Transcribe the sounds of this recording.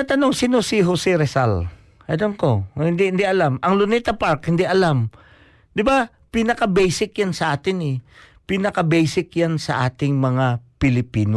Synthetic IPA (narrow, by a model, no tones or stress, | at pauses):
ɐt̪ɐnoŋsinosɪɦosɪɾɛsa̰l | ʔɐlamko̞hɪnd̪ihɪnd̪iʔɐlamɐŋlʊnit̪ɐpaɾkhɪnd̪iʔɐlam | d̪ɪba | pinɐkɐbɛjsɪkjansɐʔaːt̪ɪnɛpinɐkɐbɛjsɪkjansɐʔaːt̪ɪŋmɐŋapɪlɪpiːno